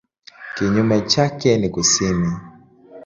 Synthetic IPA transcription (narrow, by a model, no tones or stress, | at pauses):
kiɲumɛt͡ʃakɛnikusimi